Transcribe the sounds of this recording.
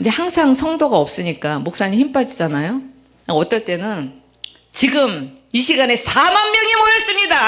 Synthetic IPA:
ind͡ʑe̞haŋsʰaŋsʰʌŋdoɡaʌp̚s͈ɯɲik͈amok̚s͈aɲiçimp͈ad͡ʑid͡ʑanajo | ʌt͈ʌɭt͈e̞nɯn | t͡ɕiɡɯmiɕʰiɡane̞sʰamanmjʌŋimoɾʌs͈ɯmɲida

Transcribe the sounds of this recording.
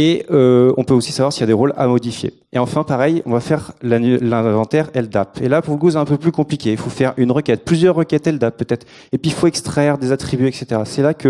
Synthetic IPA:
eøɔ̃pøosi̥savwaʁsiljad̪eʁola̰mɔd̪ifjḛ | eɑ̃fɛ̃paʁɛjɔ̃vafɛʁlalɛ̃vɑ̃t̪ɛʁɛld̪apḛlapuʁləkusɛt̪ɛ̃pøplykɔ̃plikʲeilfofɛʁynʁəkʲɛt̪̚plyzjœʁːəkʲɛt̪ɛld̪apːøt̪ɛt̪χ | epɥilfoɛkst̪χɛʁd̪ezat̪χibyɛkset̪eʁasɛlakʰə

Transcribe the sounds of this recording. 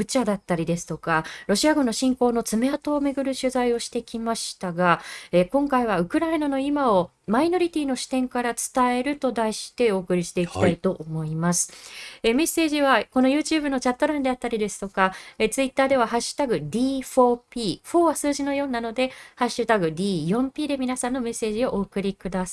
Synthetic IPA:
bɯ̟t͡ɕad̪at̪ːaɾʲid̪e̞sɨ̥t̪o̞kaɾo̞ɕiaɡɯ̃nːo̞ɕĩŋko̞ːno̞t͡sɨme̞at̪o̞ːme̞ɡɯ̟ɾɯ̟ɕɨzaio̞ɕi̥t̪e̞kʲimaɕi̥t̪aɡae̞kõ̞ŋkaiβ̞aɯ̟kɯ̟ɾaenano̞imao̞ | maino̞ɾʲit̪ʲiːno̞ɕi̥t̪ẽ̞ŋkaɾat͡sɨ̥t̪ae̞ɾɯ̟t̪o̞d̪aiɕi̥t̪e̞o̞ːkɯ̟ɾʲiɕi̥t̪e̞iki̥t̪aait̪o̞ʔomo̞imasɨ̥eme̞sːe̞ːʑiβako̞no̞jɯ̟ːt͡ɕɨːbɯ̟no̞t͡ɕat̪ːo̞ɾãnd̪e̞at̪ːaɾʲid̪e̞sɨ̥t̪o̞kaet͡sɨit̪ːaːd̪e̞β̞aɦaɕːɨ̥t̪aɡɯ̟d̪ʲiːɸo̞ːpʲiːɸo̞ːβasɨːʑino̞jo̞ːnano̞d̪e̞haɕːɨt̪aɡɯ̟d̪ʲiːjõ̞mpʲiːd̪e̞mʲinasãnːo̞me̞se̞ːʑio̞ʔo̞ːkɯ̟ɾʲikɯ̟d̪asa

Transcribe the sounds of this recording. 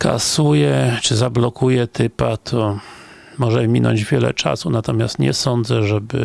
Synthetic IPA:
ka̰sujɛt͡ʂɘzablɔkujɛt̪ʰɘpat̪ʰɔ | mɔʐɛmʲinɔ̰ɲd͡ʑvʲjɛlɛ̰t͡ʂa̰sunat̪ɔmʲjast̪ɲɛ̰sɔnd̪zɛʐɛbɘ̰

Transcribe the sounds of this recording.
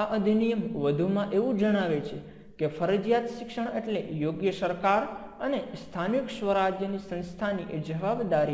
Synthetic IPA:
aʔəd̪ʱinijəmʋəd̪ʱumãʔeʋũd͡ʒəɽ̃aʋet͡ʃʰe | kefəɾəd͡ʒjat̪ʃɪkʃəɳeʈlejoɡjəsəɾkaɾ | ənest̪ʰanikʃʋəɾad͡ʒjənisə̃nst̪ʰaniʔed͡ʒəʋabd̪aɾi

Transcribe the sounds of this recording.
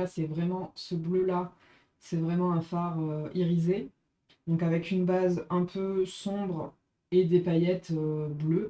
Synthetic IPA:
asɛvʁɛmɑ̃səbløla | sɛvʁɛmɑ̃ɛ̃faʁøiʁize | d̪ɔ̃kavɛkynbazɛ̃pʰøsɔ̃bʁ | ed̪epajɛt̪øblø

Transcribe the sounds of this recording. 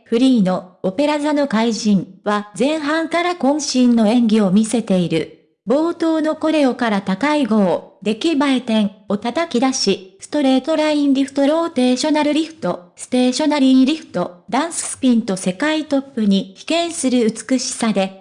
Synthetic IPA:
ɸɯ̟ɾʲiːno̞ːpe̞ɾazano̞kaiʑĩɰβazẽ̞ɰ̃ɦãŋkaɾakõ̞ɰ̃ɕĩnːo̞ẽ̞ŋɡʲio̞mʲise̞t̪e̞iɾɯ̟̰ | bo̞ːt̪o̞ːno̞ko̞ɾe̞o̞kaɾat̪akaiɡo̞ːd̪e̞kʲibaet̪ẽ̞ŋo̞t̪at̪akʲid̪aɕisɨ̥t̪o̞ɾe̞ːt̪o̞ɾaĩnɾʲiɸɯ̟̥t̪o̞ɾo̞ːt̪e̞ːɕo̞naɾɯ̟ɾʲiɸɯ̟̥t̪o̞sɨ̥t̪e̞ːɕo̞naɾʲiɾʲiɸɯ̟̥t̪o̞d̪ãɰ̃sɨ̥sɨ̥pʲĩnt̪o̞se̞kait̪o̞pːɯɲ̟içi̥kẽ̞ɰ̃sɨɾɯ̟ɯt͡sɨ̥kɯ̟ɕi̥sad̪e̞

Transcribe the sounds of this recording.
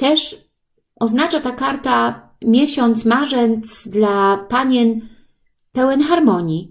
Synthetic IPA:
t̪ɛʂ | ʔɔznat͡ʂat̪akaɾt̪a | mʲjɛɕɔnt̪smaʐɛnt̪sd̪lapaɲɛn | pɛwɛnxaɾmɔɲi

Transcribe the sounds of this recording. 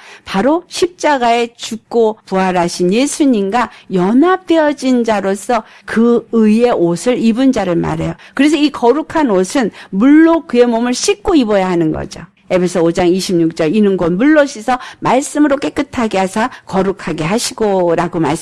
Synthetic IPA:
paɾoɕʰip̚t͡ɕ͈aɡae̞t͡ɕuk̚k͈opuɦaɾaɕʰinje̞sʰuɲimɡajʌnɦap̚t͈eʌd͡ʑind͡ʑaɾos͈ʰʌ | kɯɯie̞osʰɯɾibɯnd͡ʑaɾɯɭma̰ɾe̞jokɯɾe̞s̬ʰʌikʌɾukʰanosʰɯnmuɭːokɯe̞momɯɭɕʰik͈oibʌjaɦanɯnɡʌ̰d͡ʑo | e̞pʰe̞sʰʌod͡ʑaŋiɕʰimɲuk̚t͡ɕ͈ʌɾinɯnɡʌnmuɭːoɕʰisʰʌmaɭs͈ɯmɯɾok͈e̞k͈ɯtʰaɡe̞ɦasʰakʌɾukʰaɡe̞ɦaɕʰiɡoɾaɡoma̰ɭs

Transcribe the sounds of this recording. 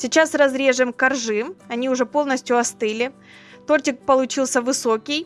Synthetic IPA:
sʲɪt͡ɕasrɐzɾʲe̞ʐɨmkɐrʐɨmɐnʲiʊʐɛpo̞lˠnəsʲtʲjʊɐst̪ɨlʲɪ | t̪o̞rtʲɪk̚pəlˠʊt͡ɕilˠsʲəvɨso̞kʲɪj

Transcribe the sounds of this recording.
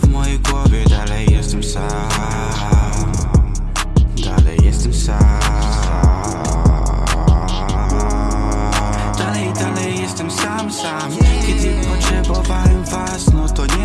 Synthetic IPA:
vmɔjɛjɡwɔvʲjɛd̪alɛjːɛst̪ɛmsam | a | a | d̪a̰lɛ̰jːɛst̪ɛmsamsam | d̪̥alɛjd̪alɛjːɛst̪ɛmsamsamkʲɛd̪ɨpɔt̪ɾɛbɔvalivasnɔt̪ɔɲɛ

